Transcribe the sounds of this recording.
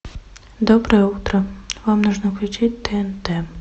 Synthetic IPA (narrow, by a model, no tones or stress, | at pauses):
d̪obɾəjɛut̪ɾəvamnuʐnəklʲʉt͡ʃit̚ʲd̪ɛnt̪ɛ